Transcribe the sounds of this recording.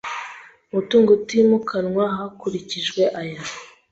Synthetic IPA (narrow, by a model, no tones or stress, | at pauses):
mutuːŋɡotimukʰanŋwaɦakuɾiciʒɡwe̞ʔaja